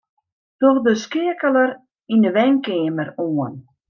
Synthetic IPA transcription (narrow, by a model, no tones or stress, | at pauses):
tɔxdəskɪəkələɾ | indəʋɛŋkɪːməɾuən